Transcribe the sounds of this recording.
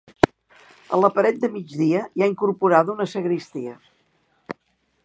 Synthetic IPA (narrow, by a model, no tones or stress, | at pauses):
ə̰ləpəɾɛt̪̚d̪əmid͡ʒðiəjaiŋkuɾpuɾaðunəsəɣɾist̪iə